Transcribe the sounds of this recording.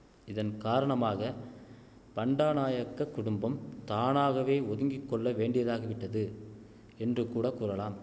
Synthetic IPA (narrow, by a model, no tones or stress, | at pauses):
ɪðɐnkaːɾɐɳɐmaːɣɐ | pɐɳɖaːnaːjɐkːɐkːʊɽʊmbɐmt̪aːnaːɣɐʋeːɔðɪŋɡɪkːɔɭːɐʋeːɳɖɪjɐðaːɣɐʋɪʈːɐðɯ | ɛndrɯkuːɽɐkːuːɾɐlaːm